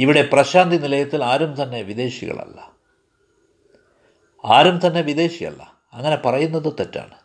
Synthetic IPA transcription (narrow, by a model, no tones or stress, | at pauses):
iʋiɽe̞prɐɕaːnd̪inilɐjɐt̪ːilaːɾumt̪ɐnːe̞ʋiðe̞ːɕiɣɐ̰ɭɐ̰lːɐ̰ | aːɾumt̪ɐnːe̞ʋiðe̞ːɕijɐ̰lːɐ̰ | ɐŋːɐne̞pɐrɐjunːɐðot̪ːetːa̰ːɳɨ